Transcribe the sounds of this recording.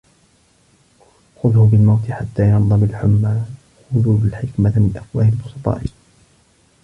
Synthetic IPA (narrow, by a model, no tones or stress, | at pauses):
xʊðhʊbɪlmawt̪ɪħat̪ːaːjɑɾd̪ˤɨmalħʊmːaː | hʊðuːlalħɪkmamɪnlʔafwaːhɪlʊsɑt̪ˤɑ̰ːʔɪ